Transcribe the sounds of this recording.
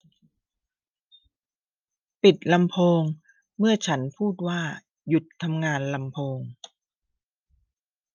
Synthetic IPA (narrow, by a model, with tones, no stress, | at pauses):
pi˨˩t̪̚la˧mpʰoː˧ŋ | mɯ˥˩ɐt͡ɕʰa˦˥npʰuː˥˩t̪̚waː˥˩ | ju˨˩t̪ʰːa˧mŋaː˧nla˧mpʰoː˧ŋ